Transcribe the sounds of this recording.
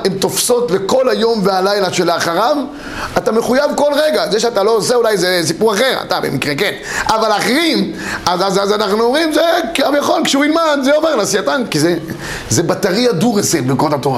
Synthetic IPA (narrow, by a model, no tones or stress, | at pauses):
emt̪o̞fso̞t̪le̞ko̞lajo̞mvealajlaʃelaaχaʁav | atameχujavko̞lʁeɡazeʃeat̪alo̞ːseulajzes̬ipuʁaχe̞ʁa̰t̪abḛmikʁeken | avalaχeʁim | azazazanaχnuomʁimzekamjaχo̞lkʃɛuilmadzeoveʁlasiat̪ankize | zebat̪aʁiad̪uʁeselbikoot̪atoʁa̰